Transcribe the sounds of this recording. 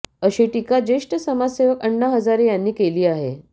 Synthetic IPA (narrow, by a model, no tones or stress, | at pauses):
əɕiʈikad͡ʑeʂʈəsəmad͡zseʋəkəɳːaɦəd͡zaɾejanːiːkeliːaɦḛ